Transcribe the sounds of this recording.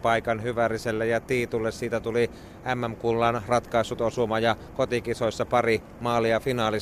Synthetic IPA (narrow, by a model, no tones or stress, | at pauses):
pɑikɑnhyʋæriselːejɑt̪iːt̪ulːessiːt̪æt̪uli | æmːæmkulːɑnrɑt̪kɑˑisːut̪osumɑjɑ | kot̪ikisoisːɑpɑri | mɑːlːˑiɑfinɑːli